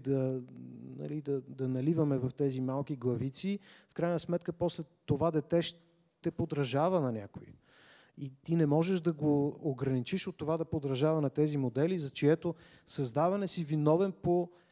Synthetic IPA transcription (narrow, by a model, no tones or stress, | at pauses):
d̪ɐ | nɐ̰lid̪ɐd̪ɐnɐlivɐmɛvɐft̪ɛzimalˠkiɡlˠɐvit̪sifkɾajnɐsmɛt̪kəpɔslɛt̪ːovad̪ɛt̪ɛʃ | t̪ɛpod̪ɾɐʒavənɐnʲa̰koi | it̪inɛmɔʒɛʒd̪ɐɡoːɡɾɐnit͡ʃiʃot̪ːovad̪ɐpod̪ɾɐʒavɐnɐt̪ɛzimod̪ɛlizɐt͡ʃiɛt̪o | sɐzd̪avɐnɛsivinɔvɛnpo